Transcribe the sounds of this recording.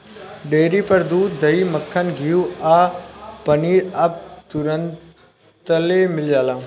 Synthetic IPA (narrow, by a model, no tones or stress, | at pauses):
ɖeːɾipɐɾd̪uːd̪d̪ɐiːmɐkʰːənɡʱijuaːpɐniːɾɐp̚t̪ʊɾən | t̪əlemɪljaːlã